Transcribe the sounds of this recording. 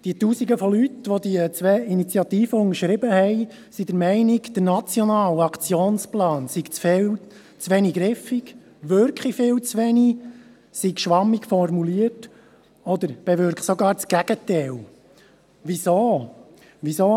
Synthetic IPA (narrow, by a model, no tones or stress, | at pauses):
d̥iət̪uːsiɡəfɔlyt̪ʋɔd̪iət͡sʋɛinit͡sjɑt̪iːfəʊŋəɾʃɾɪbəhɛɪ | sid̪əɾmɛɪniɡd̪̥əɾnɑt͡sjɔnɑːlɑkʰt͡sjoːnsplɑːnsiɡt͡sfɪl | t͡sʋɛniɡɾɪfik | ʋøɾkχifɪːlt͡sʋɛni | siɡʃʋɑmːikfɔrmuliət | ɔd̪əɾb̥ɛʋʏɾkχsɔɡɑːɾt͡sɡ̥æɡ̥ət̪ɛl | ʋisoː | ʋisoː